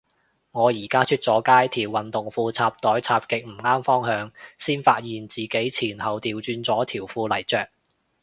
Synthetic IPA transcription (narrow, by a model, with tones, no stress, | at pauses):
ŋɔː˨˧jiː˨˩kaː˥t͡ʃʰy˥t̚t͡sɔː˨˥kaː˥jt̪ʰiː˨˩wːɐ˨nt̪ʊ˨ŋfuː˧t͡sʰaː˧p̚t̪ɔː˨˥jt͡sʰaː˧p̚kɪ˨k̚m̩˨˩ŋaː˥mfɔː˥ŋhœː˨˧ŋsiː˥nfaː˧t̚jiː˨nt͡siː˨ke˨˥jt͡sʰiː˨˩nhɐ˨wt̪iː˨wt͡ʃyː˧nt͡sɔː˨˥t̪ʰiː˨˩wfuː˧lɐ˨˩jt͡ʃœː˨k̚